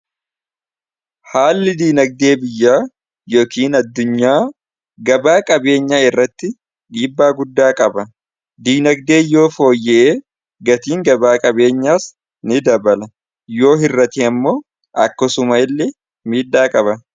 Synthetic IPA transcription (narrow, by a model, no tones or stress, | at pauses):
haːlːɪd̪iːnɐɡ̚d̪e̞ːbɪjːaː | jo̞ːkiːnɐd̪ːʊɲːaː | ɡɐbaːkʼɐbe̞ːɲːaːɪrːɐt̪ːɪ | ᶑiːbːaːɡʊd̪ːaːkʼɐbɐ | d̪iːnɐɡ̚d̪e̞ːjo̞ːfo̞ːjːɛʔeː | ɡɐt̪iːŋɡɐbaːkʼɐbe̞ːɲːaːs | nɪd̪ɐbɐlɐ | jo̞ːɦɪrːɐt̪iːɐmːo̞ː | ʔɐkːɔsʊmɐɪlːɛ | miːᶑːaːkʼɐbɐ